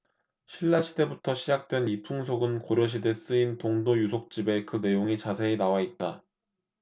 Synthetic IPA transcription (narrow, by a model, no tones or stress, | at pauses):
ɕʰiɭːaɕʰide̞butʰʌɕʰid͡ʑak̚t͈we̞nipʰuŋs̬ʰoɡɯnkoɾjʌɕ̬ʰide̞s͈ɯintoŋdojusʰok̚t͡ɕ͈ibe̞kɯne̞joŋit͡ɕasʰe̞ːnawait̚t͈a